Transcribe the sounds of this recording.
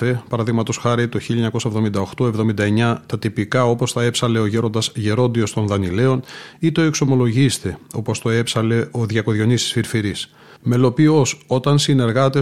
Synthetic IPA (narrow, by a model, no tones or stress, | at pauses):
e̞pɐɾɐðiɣmɐt̪o̞sxɐɾit̪o̞çiʎɐɲɐko̞sɐevðo̞mind̪ɐoxt̪o̞e̞vðo̞mind̪ɐe̞ɲɐt̪ɐt̪ipikɐo̞po̞st̪ɐe̞psɐle̞oʝe̞ɾo̞nd̪ɐzʝe̞ɾo̞nd̪io̞st̪o̞nðɐnile̞o̞nit̪o̞e̞kso̞mo̞lo̞ʝist̪e̞o̞po̞st̪o̞e̞psɐle̞o̞ðʝɐko̞ðʝonist̪i̥sfiɾfiɾis | me̞lo̞pio̞so̞t̪ɐnsine̞ɾɣɐt̪e